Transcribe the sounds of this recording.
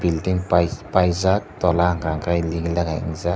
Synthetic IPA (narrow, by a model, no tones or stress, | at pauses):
bildiŋpapajzakt̪ɔlaŋɡaŋkajliɡilaɡajḭŋza